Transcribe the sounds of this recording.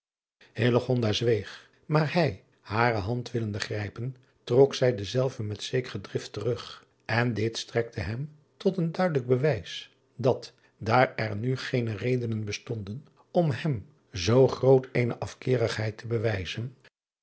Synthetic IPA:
hɪləχɔndazʋejχ | maːɹhɛj | haːrəɦɑntʋɪləndəχrɛjpən | trɔksɛjdəzɛlˠvəmɛtsejkərədrɪftərɵχ | ɛndɪtstrɛk̚tʰəɦɛm | tɔtəndœɥdələɡ̚bəʋɛjs | dɑt | daːɹɛɹnyχejnərejdənənbəstɔndən | ɔmɦɛm | zowχrowtejnəʔɑfkɪːrəχɦɛjtʰəbəʋɛjzən

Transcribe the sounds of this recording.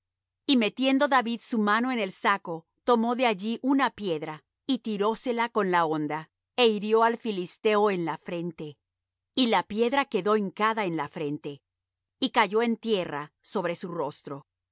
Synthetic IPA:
ime̞t̪je̞nd̪o̞ðaβiðsumano̞e̞ne̞lsako̞ | t̪o̞mo̞ðe̞aʝiʔunapje̞ðɾa | it̪iɾo̞se̞lako̞nlao̞nd̪a | eiɾjo̞alfilist̪e̞oe̞nlafɾe̞nt̪e̞ | ilapje̞ðɾake̞ðo̞eŋkaðae̞nlafɾe̞nt̪e̞ | ikaʝo̞e̞nt̪je̞ra̰ | so̞βɾe̞suro̞st̪ɾo̞

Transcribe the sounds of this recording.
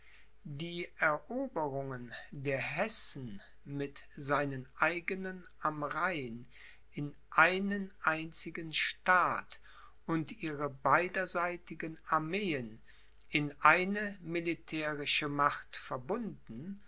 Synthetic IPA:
diːʔɛɐʔoːbəʁʊŋəndeːɐɦɛsn̩ | mɪtzaɪnənʔaɪɡənənʔamʁaɪn | ɪnʔaɪnənʔaɪnt͡sɪɡənʃtaːt | ʔʊntʔiːʁəbaɪdɐzaɪtɪɡənaɐmeːən | ɪnʔaɪnəmilitʰɛːʁɪʃəmaχtfɛɐbʊndn̩

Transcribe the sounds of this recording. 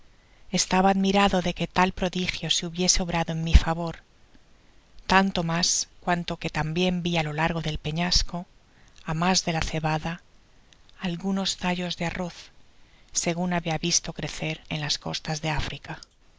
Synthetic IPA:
e̞st̪aβaːðmiɾaðo̞ðe̞ke̞t̪alpɾo̞ðixjo̞seuβje̞seo̞βɾaðo̞e̞mmifaβ̞o̞ɾ | t̪ant̪o̞maskwant̪o̞ke̞t̪ambje̞mbialo̞laɾɣ̞o̞ðe̞lpe̞ɲasko̞ | amazðe̞laθe̞βaðaː | lɣuno̞st̪aʎo̞zðearo̞θ | se̞ɣ̞unaβiaβist̪o̞kɾe̞θe̞ɾenlasko̞st̪azðe̞afɾika

